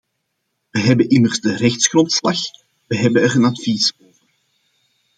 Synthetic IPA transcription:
ʋəɦɛbənʔɪmərzdərɛxtsxrɔntslɑx | ʋəɦɛbənəɾənɑtfisoːvər

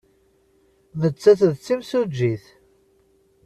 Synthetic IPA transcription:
mət͡sːæθðt͡sːimsud͡ʒːiθ

